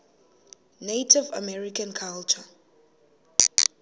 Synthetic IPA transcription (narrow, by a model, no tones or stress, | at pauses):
netʰiva̰mɛɹikãnkʰalt͡ʃɔ